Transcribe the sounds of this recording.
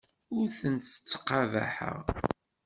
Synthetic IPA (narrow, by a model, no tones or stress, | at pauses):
ʊɾθənt̪ə̥t͡sːə̥qːavæ̰ħə̰ʁ